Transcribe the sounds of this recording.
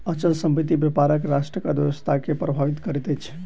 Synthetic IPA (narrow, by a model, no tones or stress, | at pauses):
ət͡ʃəlsəmbit̪ibepaɾəkɾaʃʈɾəkad̪eʋəst̪ʰakepɾəbʱaʋit̪kəɾɛt̪ɛt͡ʃʰɛ̥